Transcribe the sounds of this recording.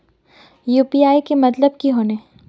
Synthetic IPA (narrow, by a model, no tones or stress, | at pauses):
juːpiaːikemɐt̪ləb̚kiɦoːne